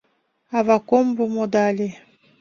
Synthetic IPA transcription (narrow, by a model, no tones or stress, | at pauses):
avakombomod̪ale